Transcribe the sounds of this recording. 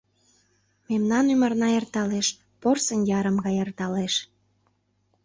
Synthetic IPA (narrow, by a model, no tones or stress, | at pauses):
memnɑnymərnɑert̪ɑleʃ | porsənjɑɾə̆mɣɑjert̪ɑleʃ